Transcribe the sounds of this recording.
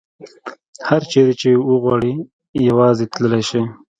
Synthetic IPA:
haɾt͡ʃeɾet͡ʃewəɣwɑɽi | jawɑzet̪ləlajʃi

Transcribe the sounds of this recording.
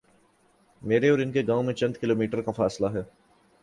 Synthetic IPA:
meːɾeɔːɾɪnkeɡãːõmẽt͡ʃɐ̃nd̪kɪloːmiːʈəɾkafaːslaɦɛː

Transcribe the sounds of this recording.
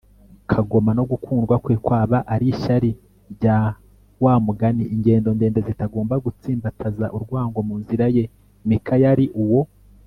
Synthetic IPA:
kʰaɡo̞mano̞ɡukʰuːnɡwakweːkwaːβaʔaɾiʃaɾi | ɾɟa | waːmuɡaniʔiɲɟe̞ːndo̞ndeːndezitaɡo̞ːmbaɡut͡siːmbatʰazaʔuɾɡwaːŋɡo̞muːnziɾaje̞ | mikʰajaɾiʔuwo̞

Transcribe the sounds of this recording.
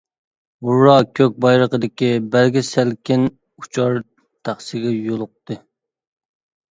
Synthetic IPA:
uɾːɑkʲʰøk̚ʲbɑjɾəqəd̪ɪkʲibælɡʲisælkʲɪn | ut͡ʃʰɑɾ | t̪ʰæχsɪɡʲɛjolˠʊq̚t̪ɨ

